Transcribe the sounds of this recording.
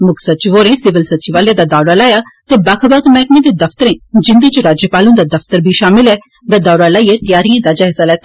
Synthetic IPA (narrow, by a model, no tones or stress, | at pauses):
mʊkʰsətːt͡ʃɪʋoːɾẽːsɪʋəlsət̪ːt͡ʃɪʋaːljãːd̪aːd̪aːɾaːlaːjaːt̪eːbakʰbakmɛːkmẽːd̪eːd̪əfʰt̪əɾẽːd͡ʒɪ̃nd̪uːt͡ʃəɾaːd͡ʒjəpaːlõːd̪aːd̪əpʰt̪əɾbʱiːʃaːmɪlɦɛː | d̪aːd̪aːɾaːlaːiːɛːt̪ɪjaːɾijãːd̪aːd͡ʒaːɦɪsaːlɛːt̪ː